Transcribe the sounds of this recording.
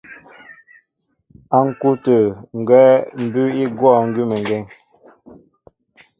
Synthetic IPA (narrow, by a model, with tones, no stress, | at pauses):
a˦ŋ̩˨ku˦tə˨ŋ̩˨ɡwɛː˦m̩˨bʉ˦i˦ɡwɔ˦˨ŋ̩˦ɡʉ˦mə˨ŋ˨ɡɛ˦ŋ